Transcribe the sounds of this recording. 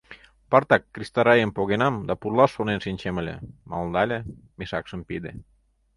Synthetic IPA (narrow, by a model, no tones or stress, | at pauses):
pɑrt̪ɑkːrist̪ɑɾɑjəmpoɣenɑmd̪ɑpurlɑʃːonenʃinʲt͡ɕemə̆lʲḛmɑ̰ld̪ɑlʲĕ | meʃɑkʃə̆mpid̪ḛ